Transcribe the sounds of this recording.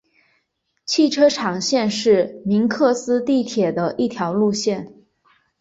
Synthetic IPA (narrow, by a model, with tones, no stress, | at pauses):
t͡ɕʰi˥˩ʈ͡ʂʰɤ˥ʈ͡ʂʰɑ˨˩ŋɕjɛ˥˧nʂɻ̩˥˩mi˧˥nkʰɤ˥˩sɹ̩˥t̪i˥˩t̪ʰjɛ˨˩d̪ə˦ʔi˥˩t̪ʰjɑ˧˥ʊlu˥˧ɕjɛ˥˩n